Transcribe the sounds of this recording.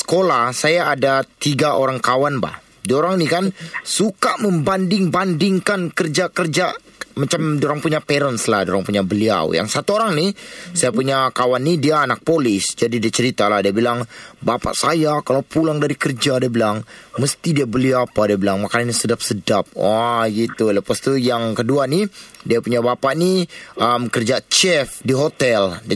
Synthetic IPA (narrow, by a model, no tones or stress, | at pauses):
sə̥kolahsajaːdat̪iɡaʔoɾaŋkawanba̰h | doɾaŋnikansukaʔməmbandɪŋbandɪŋkankərd͡ʒakərd͡ʒamat͡ʃamdoɾaŋpuɲapɛɾənsla̰hdoɾaŋpuɲabəlia̰wja̰ŋsat̪uoɾaŋnisajapuɲakawanːidiaːnak̚polɪsd͡ʒadidiat͡ʃəɾit̪alahdiabilaŋbapa̰ʔsajakalawpulaŋdaɾikərd͡ʒadiabilaŋməst̪idiabəliapadiabilaŋmakananisədap̚sədap̚waɡit̪uləpast̪ujaŋkəduanidiapuɲabapaʔniəmkərd͡ʒat͡ʃɛfdiɦot̪ɛl